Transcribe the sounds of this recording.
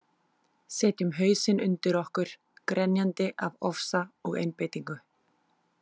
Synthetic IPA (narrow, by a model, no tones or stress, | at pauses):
sɛːt̪jʏmɦœːɥsɪnʏnt̪ɪɾɔhkʏɾ̥ | kɾɛnjant̪ɪʔavɔfsaɔɣḛjnpeːjt̪iŋkʏ